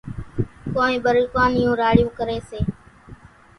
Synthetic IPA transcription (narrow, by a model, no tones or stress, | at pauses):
kõːnĩːɓəɾiːkãːnɪjũːɾaːɽɪjũːkəɾeːseː